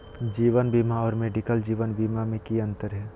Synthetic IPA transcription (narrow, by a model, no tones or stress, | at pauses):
d͡ʒiːʋənbiːmaɔːɾmeːɖɪkəld͡ʒiːʋənbiːmamẽkiɐ̃nt̪əɾɦɛː